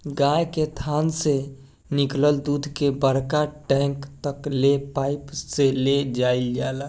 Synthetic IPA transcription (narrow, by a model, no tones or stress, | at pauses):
ɡãjket̪ʰaːnse | nɪkləld̪uːd̪ʱkebəɾkaʈɛ̃ːŋkt̪əklepaːɪpseled͡ʒaːɪld͡ʒaːla